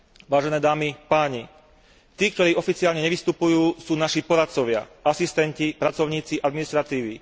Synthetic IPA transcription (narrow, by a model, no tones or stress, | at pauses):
ʋaːʒɛnɛːd̪aːmipaːɲi | t̪iːk̚t̪ɔɾiːɔfit͡siaːlɲɛɲɛʋist̪upujuːsuːnaʃipɔɾat̪t͡sɔʋɪa̰asist̪ɛncipɾat͡sɔʊɲiːt͡siʔad̪minist̪ɾat̪iːʋi